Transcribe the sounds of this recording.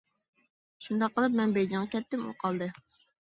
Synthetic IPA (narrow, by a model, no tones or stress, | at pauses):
ʃund̪ɑqʰːəlˠɨp̚mɛnbejd͡ʒ̪ɪŋʁɑkʲɛt̪ːɪmo̰qʰɑlˠd̪ɨ